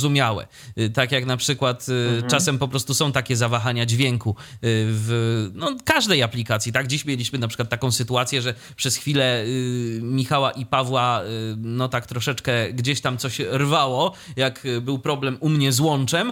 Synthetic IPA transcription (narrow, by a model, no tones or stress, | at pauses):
zumʲjawɛ̰ | t̪akjaknapʂɘkwat̪t͡ʂasɛmpɔpɾɔst̪usɔ̃w̃t̪akʲɛzavaxaɲad͡ʑvʲjɛŋkuvnɔkaʐd̪ɛjaplʲikat̪sʲjit̪aɡd͡ʑiɕmʲjelʲiɕmɘnapʂɘ̥kwat̪ːakɔ̃sɘt̪uat̪sʲjɛʐɛ | pʂɛsxfʲilɛ | mʲixawaʔipavwanɔt̪akt̪ɾɔʂɛt͡ʂkɛɡd͡ʑeɕt̪amt̪sɔɕɾvawɔjakbɘwpɾɔblɛmumɲɛzwɔnt͡ʂɛm